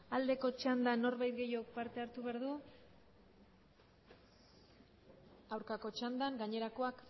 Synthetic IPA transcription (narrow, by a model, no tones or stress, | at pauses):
ald̪e̞ko̞t͡ʃand̪ano̞ɾβajt̪ɡe̞jo̞k̚paɾt̪e̞aɾt̪uβe̞aɾðu | awɾkako̞t͡ʃand̪aŋɡaɲe̞ɾako̞ak